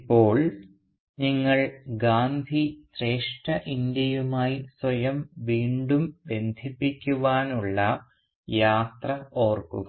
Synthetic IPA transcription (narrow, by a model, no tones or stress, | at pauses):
pːo̞ːɭ | niŋːɐɭɡaːnd̪ʱisre̞ːʂʈɐʔind̪jɐjumaːjiswɐjɐmʋiːɳɖumbe̞nd̪ʱipːikʲːuʋaːnuɭːɐ | jaːt̪rɐo̞ːrkṵɐ